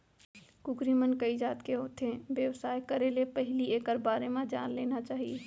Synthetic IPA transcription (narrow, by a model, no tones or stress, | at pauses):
kʊkɾimənkɐid͡ʒaːt̪keɦoːt̪ẽʋjəʋsaːekɐɾelepɛɦlieːkəɾbaːɾemãd͡ʒa̰ːnleːnat͡ʃaːɦieː